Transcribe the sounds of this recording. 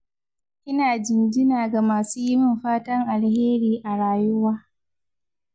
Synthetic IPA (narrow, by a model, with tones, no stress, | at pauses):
ʔɪ˦naː˨d͡ʒɪ˨nd͡ʒɪ˦naː˨ɡa˨maː˨suː˦jɪ˦mɪ˨mɸaː˦tɐ˦ŋʔa˨lheː˦ɾiː˨ʔa˨ɽaː˨jʊ˦waː˦